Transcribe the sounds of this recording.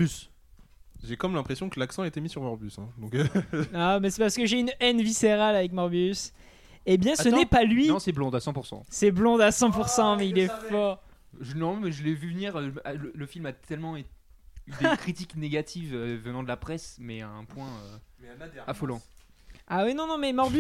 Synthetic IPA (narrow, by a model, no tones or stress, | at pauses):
bys | ʒekɔmlɛ̃pχesjɔ̃kəlaksɑ̃aet̪emisyʁmɔʁbysɛ̰̃d̪ɔ̃kamɛsɛpaʁsə̥kəʒeynɛnviseʁalavɛkmaʁbys | ebjɛ̃sənɛpalɥinɔ̃sɛblɔ̃d̪asɑ̃puʁsɑ̰̃sɛblɔ̃d̪asɑ̃puʁsɑ̃mɛilɛfɔʁ | ʒənɔ̃mɛʒəlɛvyvniʁøalələfilmat̪ʰɛlmɑ̃et̪ | yd̪ekχit̪ikneɡat̪ʰivøvənɑ̃d̪əlapχɛsmɛɛ̃pwɛ̃øad̪afolɑ̃ | awinɔ̃nɔ̃mɛmɔʁby